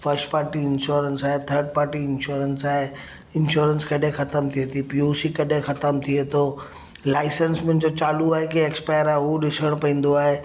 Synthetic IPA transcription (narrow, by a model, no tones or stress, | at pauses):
fəɾsʈpaːɾʈiɪnʃuːɾənsaːɦet̪ʰəɾɖ̚paːɾʈiɪnʃoːɾənsaːɦe | ɪnʃoːɾənskɐɗʱẽxɐt̪əmt̪ʰiet̪ʰipioːsikɐɗʱẽxɐt̪əmt̪ʰiet̪ʰo | laːɪsənsmɪ̃nɪ̆d͡ʑot͡ɕaːluaːɦekieːkspaːjəɾaːɦuɗɪsəɽ̃pɐ̃ĩːn̆d̪oaːɦe